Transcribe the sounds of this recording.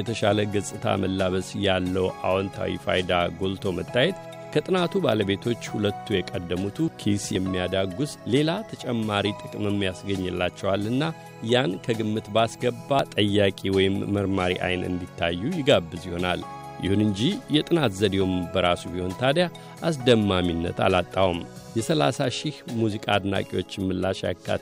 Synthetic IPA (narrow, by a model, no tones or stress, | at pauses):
ɛt̪ʰəʃaləɡɨsʼɨt̪ʰa̰mʔəlːaβəsjalːəwʔa̰wɔnt̪ʰa̰wḭfa̰jd̪aɡo̞lt̪ʰo̞mət̪ːajɛt̪ | kʰət̪ʼɨnat̪ʰubaləbe̞t̪ʰo̞t͡ʃːhulət̪ʰːujɛkʼəd̪ːəmut̪ʰukʰisjɛmːijad̪aɡusle̞lat̪ʰət͡ʃʼɛmːaɾit̪ʼɨkʼɨmjɛmːijasɡəɲːɨlːat͡ʃːɛwalːɨnːa | jankʰəɡɨmːɨt̪basɡəbːat̪ʼəjːakʼiwɔjɪmːəɾmaɾḭʔa̰jnɨ̰nd̪it̪ʰːajːujɪɡabːɨzjɪho̞na̰l | jɪ̰hunɨɲd͡ʒijɛt̪ʼɨnat̪zəd̪ewombəɾasubiho̞nt̪ʰad̪ja | ʔas̬d̪əmːaminːə̰t̪a̰lat̪ʼːawum | jɛsəla̰saʃɪhmuzikʼaːd̪na̰kʼiwo̞t͡ʃːɛmːɨlːaʃja̰kʰːa̰t̪